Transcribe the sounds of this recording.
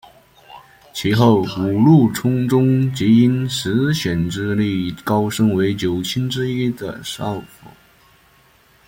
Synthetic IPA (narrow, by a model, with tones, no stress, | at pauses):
t͡ɕʰi˧˥xo˥˩ʊu˨˩lu˥˩ʈ͡ʂʰʊ˥ŋʈ͡ʂʊ˥ŋt͡ɕi˧˥i˥nʂɻ̩˧˥ɕɛ˨˩nʈ͡ʂɻ̩˥li˥˩kɑ˥ʊʂɤ˥ŋwe˧˥ɪt͡ɕjo˨˩ʊt͡ɕʰi˥nʈ͡ʂɻ̩˥i˥d̪ə̰˨ʂɑ˥˩ʊfo̰˨˩˦